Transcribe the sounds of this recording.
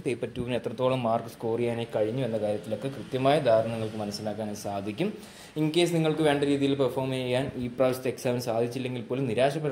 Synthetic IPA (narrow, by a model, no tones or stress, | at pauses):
pejpːɐtːuːʋine̞t̪rɐt̪ːoːɭɐmːaːrkɨskoːrijaːne̞ːkɐɻiɲːuʋenːɐkaːɾjɐt̪ːilo̞kːekrɨt̪jɐmaːjɐd̪ʱaːɾɐɳɐŋːɐɭkɨmɐnɐsːilaːkːaːnesaːd̪ʱikʲːum | iŋke̞ːsniŋːɐɭkɨʋe̞ːɳɖɐɾiːðijilpɐrfoːrmejːaːniːpraːʋsteksaːʋɐnsaːd̪ʱit͡ɕːilːe̞ŋɡilpːo̞ːlumniɾaːʂɐpɐɾ